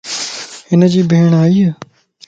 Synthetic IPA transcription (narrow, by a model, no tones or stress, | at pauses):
ɪnəd͡ʒiːbʱeːɳ̃aːiːe